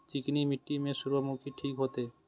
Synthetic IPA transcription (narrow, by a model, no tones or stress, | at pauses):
t͡ɕiknimiʈːimeʃuɾbomukʰiʈʰikɦot̪e